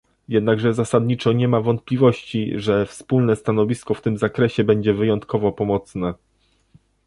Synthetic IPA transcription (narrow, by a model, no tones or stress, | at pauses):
jɛd̪naɡʐɛzasad̪ɲit͡ʂɔɲɛmavɔnt̪̚plʲivɔɕt͡ɕḭʐɛfspulnɛst̪anɔvʲiskɔft̪ɘmzakɾɛɕɛbɛɲd͡ʑɛvɘjɔnt̪kɔvɔpɔmɔt̪snɛ